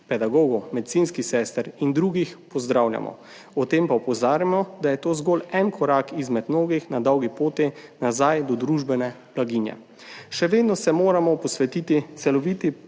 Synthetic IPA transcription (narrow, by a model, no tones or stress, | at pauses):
pɛd̪aɡoːɡumɛd̪it̪sinskisɛːst̪ɾind̪ɾuɡixpɔzd̪ɾawlja̰mʔɔ̰ | ɔt̪eːmpaɔpɔzaːɾjamɔd̪ajɛt̪oːzɡɔlɛnkʰɔɾakizmɛd̪mnoːɡixnad̪ɔwɡipoːt̪inazajd̪ɔd̪ɾuʒbɛnɛ | b̥laɡiːnjɛ̰ | ʃɛʋeːd̪nɔsɛmoːɾamɔpɔsʋɛt̪iːt̪it̪sɛlɔʋit̪i